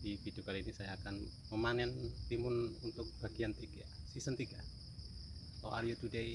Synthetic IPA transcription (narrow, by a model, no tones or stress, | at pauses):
dibidukaliːnisajaːkan | məmanɛnt̪imʊnunt̪ʊk̚b̥aɡiant̪iɡasisənt̪iɡa | o̰aɾiot̪udei